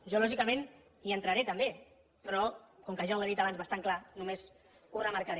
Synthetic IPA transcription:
ʒɔlɔʒikamẽn | iənt̪ɾaɾet̪əmbe | pɾɔkɔŋkəʒaweðit̪aβ̞anzβast̪aŋklanumez | urəmaɾkaɾe

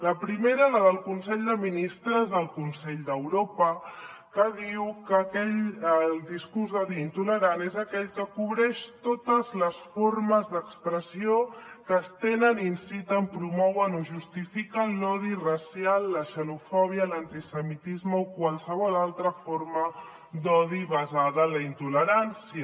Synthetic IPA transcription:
ləpɾimeɾələðəlˠkunsɛʎd̪əminist̪ɾəzðəlˠkunsɛʎd̪əwɾopə | kəðiwkəkɛʎəlˠd̪iskurzðɔðiːnt̪uləɾanezəkɛʎkəkuβɾɛʃt̪ot̪əzləsforməzðəkspɾəsiokəːst̪enəninsit̪əmpɾumɔwənoʒust̪ifikəlɔðirəsjalˠːəʃəlufɔβ̞iələnt̪isəmit̪izməokwalˠsəβ̞ɔlalˠt̪ɾəformə | d̪ɔðiβɐzaðəːnləint̪uləɾansiə

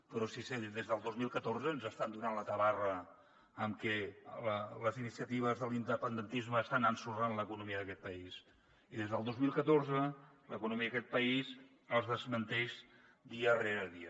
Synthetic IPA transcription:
pəɾɔsiseðezðəlˠd̪ozmilˠkət̪oɾzəːnzəst̪and̪unanlət̪əβarə | əmkɛlələzinisiət̪iβ̞əzðəlind̪əpənd̪ənt̪izməːst̪anansuranləkunumiəðəkɛt̪̚pəiz | iðezðəlˠd̪ozmilˠkət̪orzə | ləkunumiəðəkɛt̪̚pəiz | əlˠzðəzmənt̪ɛʃ | d̪iəreɾəðiə

